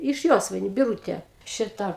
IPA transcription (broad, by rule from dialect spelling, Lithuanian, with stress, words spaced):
ɪʃ ˈjoːsʋɐɪnʲʊ bʲɪˈruːtʲeː ˈʃʲɪtɐ